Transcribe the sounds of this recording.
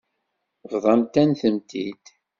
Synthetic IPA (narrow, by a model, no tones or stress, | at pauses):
vðˤɑmt̪ænθəmt̪ḭd̪̥